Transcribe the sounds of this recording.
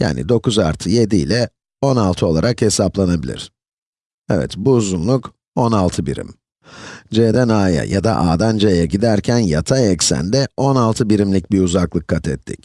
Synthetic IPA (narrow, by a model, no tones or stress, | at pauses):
ja̰ːnḭd̪o̞kuzaɾt̪ʰɯje̞d̪ilʲɛ | o̞nalˠt̪ʰɯo̞lˠaɾakhe̞saplˠanabilʲḭɾ̝̥ | ɛvɛ̰t̪buːzunlˠuk | onalˠt̪ʰɯbḭɾḭm | d͡ʒeːd̪ænaːja̰ja̰d̪a̰ʔaːd̪and͡ʒejɛɟid̪æɾcʰænjat̪ʰaɛcsæ̰nd̪ɛo̞nalˠt̪ʰɯbiɾimlʲic̚biuzaklˠɯkʰːat̪ʰɛt̪ʰːḭc